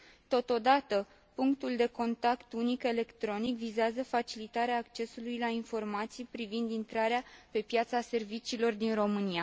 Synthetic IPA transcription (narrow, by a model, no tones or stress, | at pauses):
t̪ot̪o̞d̪at̪ə | puŋkt̪uld̪e̞ko̞nt̪akt̪unike̞le̞kt̪ɾo̞nikvizeazəfat͡ʃilit̪aɾeaːkt͡ʃe̞sulujlainfo̞rmat̪sijpɾivind̪int̪ɾaɾeape̞pjat̪sase̞rvit͡ʃiːlo̞rd̪inro̞mɨnia